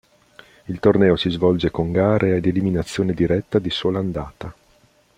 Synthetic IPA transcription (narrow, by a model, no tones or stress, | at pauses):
ilt̪ornɛːosizvɔld͡ʒekoŋɡaːɾʔeed̪eliminat̪sːjoːned̪iɾɛt̪ːad̪isoːland̪aːt̪a